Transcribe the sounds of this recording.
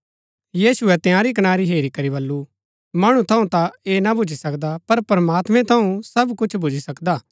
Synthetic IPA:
jiːsʊɛt̪jãːɾik̬ɐñaːɾiɦeːɾikɐɾibɐlːu | mɐɽ̃ũt̪ʰɐũt̪aeːnabʱʊd͡ʒʱisɐkd̪apɐɾpɾɐmaːt̪mɛ̃t̪ʰɐũsɐbkʊt͡ʃʰbʱʊd͡ʒʱisɐkd̪aː

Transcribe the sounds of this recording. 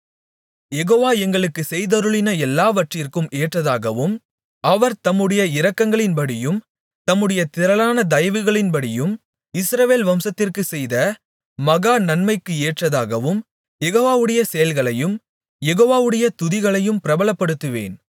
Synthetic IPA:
jɛɣoːʋaːɛŋɡɐɭɯkːɯsɛjðɐɾɯɭɪnɐɛlːaːʋɐʈrɪrkɯmʔeːʈrɐðaːɣɐʋɯm | ɐʋɐɾt̪ɐmːɯɽɐjɐɪɾɐkːɐŋɡɐɭɪnbɐɽɪjɯm | t̪ɐmːɯɽɐjɐt̪ɪɾɐlaːnɐd̪ɐjɐʋɯɣɐɭɪnbɐɽɪjɯm | ɪsɾɐʋeːlʋɐmsɐt̪ːɪrkɯsɛjðɐ | mɐɣaːnɐnmɐɪkːɯeːʈrɐða̰ːɣɐʋɯm | jɛɣoːʋaːʋɯɽɐjɐsɛjɐlɣɐɭɐjɯm | jɛɣoːʋaːʋɯɽɐjɐt̪ʊðɪɣɐɭɐjɯmpɪɾɐbɐɭɐpːɐɽɯt̪ːɯʋḛːn

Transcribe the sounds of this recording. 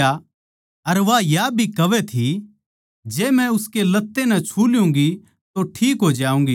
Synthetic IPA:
a | ɐɾʋajabʱikɐʋɛt̪ʰi | d͡ʒeːmɛ̃ʊskelɐt̪ːenɛ̃t͡ʃʰuːljũːŋɡi | t̪oʈʰiːkɦoːd͡ʒaːũːŋɡiː

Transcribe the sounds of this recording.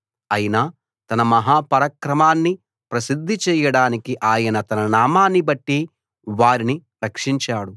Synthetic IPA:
ɐjinaː | t̪ɐnɐmɐɦaːpɐɾɐkɾɐmaːnːi | pɾɐsid̪ʱːit͡ʃɛːjɐɽaːnikiʔaːjɐnɐt̪ɐnɐnaːmaːnːibɐʈːi | ʋaːɾini | ɾɐkʂiɲt͡ʃaːɽu

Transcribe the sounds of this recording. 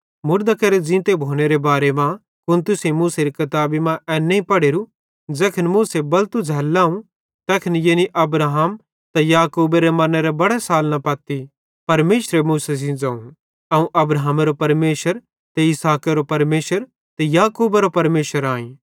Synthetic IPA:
mʊɾd̪akɐɾed͡ʒɪ̃ːt̪ebʱoːneɾebaːɾemã | kʊnt̪ʊsemuːseɾikɐt̪aːbimãʔɛːnːeĩpɐɽeːɾu | d͡ʒɛːkʰɪnmũːsebɐlt̪ud͡zʱɛːlːãːũ | t̪ɛːkʰənjeːniʔɐbɾaːɦam | t̪ajaːkuːbeɾemɐnɾɛbɐɽesaːlnapɐt̪ːi | pɐɾmeːʃɾemuːsesĩd͡zãːũ | ɐũʔɐbɾaɦmaɾopɐɾmeːʃəɾ | t̪eɪsaːkeɾopɐɾmeːʃəɾ | t̪ɛjaːkuːbaɾopɐɾmeːʃəɾaːĩ

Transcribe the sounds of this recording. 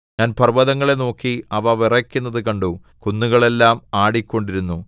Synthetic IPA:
ɲaːnpɐrʋɐðɐŋːɐɭe̞no̞ːkːiɐʋɐʋirɐkʲːunːɐðɨkɐɳɖu | kunːuɣɐɭe̞lːaːmaːɽikʲːo̞ɳɖiɾunːu

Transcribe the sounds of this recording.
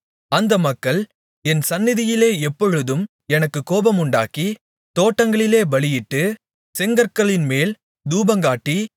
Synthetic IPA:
ɐnd̪ɐmɐkːɐɭ | ɛnsɐnːɪðɪjɪleːɛpːɔɻɯðɯm | ɛnɐkːɯkːoːbɐmʊɳɖa̰ːki | t̪oːʈːɐŋɡɐɭɪleːbɐɭɪjɪʈːɯ | sɛŋɡɐɾkɐɭɪnmeːl | d̪uːbɐŋɡaːʈːi

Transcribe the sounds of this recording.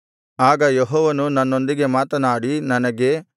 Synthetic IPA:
aːɡɐjeɦɔːʋɐnunɐnːo̞nd̪iɡe̞maːt̪ɐnaːɽinɐnɐɡe̞

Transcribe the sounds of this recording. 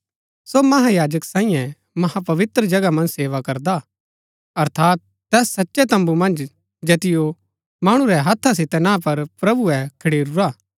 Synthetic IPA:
somɐɦajaːd͡ʒəksãːĩjɛ̃ | mɐhapɐʋɪt̪ɾəd͡ʒɐɡamɐ̃nd͡ʒseːʋakɐɾd̪a | ɐɾt̪ʰaːt̪̚ːɛːsːɐtːʃet̪ɐ̃mbumɐ̃nd͡ʒ | d͡ʒeːt̪ɪjo | maːɽ̃ũɾɛɦɐt̪ʰːas̬ɪt̪ɛnãːpɐɾpɾɐbuɛkʰɐɽiːɾuɾaː

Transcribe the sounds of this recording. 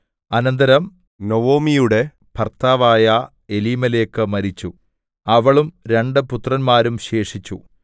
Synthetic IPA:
ɐnɐnd̪ɐɾɐm | noʋoːmijuɽe̞ | pʰɐrt̪aːʋaːjɐ | e̞liːmɐle̞ːkːɨmɐɾit͡ɕːu | ɐʋɐɭumɾe̞ɳɖɨput̪rɐnmaːɾumɕe̞ːʂit͡ɕːṵ

